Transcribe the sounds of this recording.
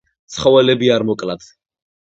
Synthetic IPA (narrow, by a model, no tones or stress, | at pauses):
t̪sʰχɔwɛlɛbiaɾmɔkʼlad̪̥